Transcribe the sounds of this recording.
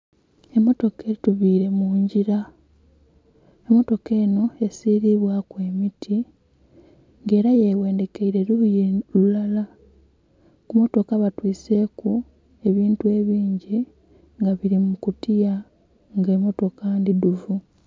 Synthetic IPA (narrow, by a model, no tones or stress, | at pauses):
e̞mːo̞to̞ke̞ɾituβiːɾe̞muːɲɟiɾa | emo̞to̞ke̞ːno̞e̞siːɾiβwakwe̞ːmitʰi | ŋɡe̞ːɾaje̞we̞ːnde̞ke̞iɾe̞ɾuujelulala | kumo̞to̞kaβatwiːse̞ːku | e̞βiːntue̞βiːɲɟi | ŋɡaβiɾimukutija | ŋɡemo̞to̞kandiduvu